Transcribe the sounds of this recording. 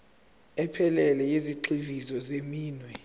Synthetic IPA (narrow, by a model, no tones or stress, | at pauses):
ɛpʰɛlɛlɛjeziǃivizɔzemiːnwɛ